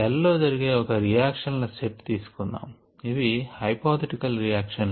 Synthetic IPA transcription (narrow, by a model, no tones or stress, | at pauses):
ɛlːo̞ːd͡ʒɐɾiɡe̞ːɔkɐɾijaːkʂɐnlɐseʈt̪iːsu̥kunːa̰ːm | iʋihɐjpaːt̪ʰɐʈikɐlɾijaːkʂɐn